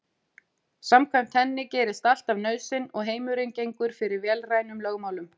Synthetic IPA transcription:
samkʰvɛm̥t̪hɛnːɪcɛːɾɪst̪al̥t̪avnœːɥsɪnɔɣɦeːjmʏɾejŋcejŋkʏɾ̥fɪɾɪɾvjɛːlraːjnʏmlœːɣmaːwlʏm

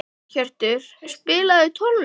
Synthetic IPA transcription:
çɛr̥t̪ɪɾ̥spɪːlaðɪt̪ʰɔln

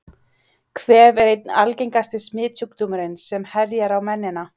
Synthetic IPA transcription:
kʰvɛːvɛɾejt̪̚nalcejŋkast̪ɪsmɪːt̪ukt̪umʏɾɪnsɛmhɛɾjaɾawmɛnːɪna

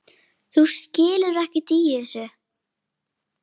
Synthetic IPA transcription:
θu̥scɪːlʏɾɛhcɪt̪ijɪθɛsʏ

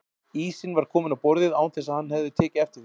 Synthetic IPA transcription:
iːsɪnvaɾ̥kʰɔːmɪnawpɔɾðɪðaːwnθɛs̬aðhanːhɛvðʏt̪ʰɛːcɪɛft̪ɪɾ̥

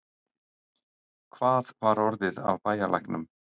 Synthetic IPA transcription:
kʰvaːðvaɾɔɾðɪða̰vpaːjala̰jhknʏm

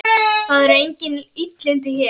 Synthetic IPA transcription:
θaðɛɾejɲcɪnit̪lɪnt̪̬ɪçɛ

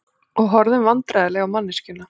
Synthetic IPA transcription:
ɔɣɦɔɾðɪnvant̪ɾajðɪlɛɣawmanːɪscʏnːa

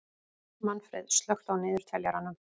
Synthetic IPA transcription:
manfɾɛ̰ðst̪lœxt̪awnɪːðʏɾ̥t̪ʰɛljaɾanʏm

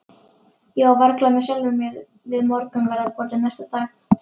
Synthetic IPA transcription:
jɛɣawvaɾklamɛðsœlʏmjɛɾ | vɪðmɔɾkʏmvɛɾaɾpɔːɾt̪ɪnajst̪at̪aːx

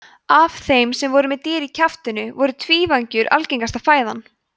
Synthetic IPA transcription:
av̥θejmsɛmvɔɾʏmɛðt̪ɪːɾicʰaft̪ʏnʏvɔɾʏt̪ʰviːvaɲcʏɾʔa̰lcejŋkast̪afaːjðan

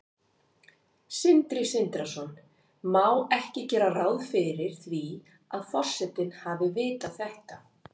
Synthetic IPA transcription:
sɪnt̪ɾɪsɪnt̪ɾasɔn | mawɛhcɪcɛːɾaraːwðfɪɾɪɾ̥θvi | aðfɔr̥sːɛt̪ɪnhavɪvɪːt̪aðθɛht̪a

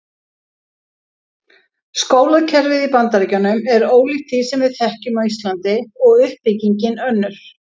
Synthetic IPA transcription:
skoːwlaðcʰɛɾvɪðipant̪aɾicanʏmɛɾoːwliht̪ʰisɛmvɪðθɛhcʏmaist̪lant̪ɪɔɣʏhpːɪciɲcɪnœnːʏɾ̥

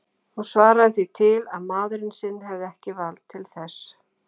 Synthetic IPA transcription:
hunsvaːɾaðθit̪ʰɪlaðmaːðɾɪnsɪnːɦɛvðɪɛhcɪvalt̪ʰːɪlθɛs

